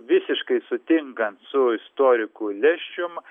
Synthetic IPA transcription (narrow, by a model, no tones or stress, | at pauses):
ʋʲɪsʲɪʃkɐɪsʊt̪ʲɪŋkɐnt̪sʊɪst̪oːɾʲɪkuːlʲɛʃʲt͡ʃʲʊm